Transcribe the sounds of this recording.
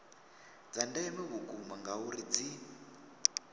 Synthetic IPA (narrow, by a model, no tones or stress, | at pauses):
d͡zandaɛmɛβukumaŋɡauɾid͡zi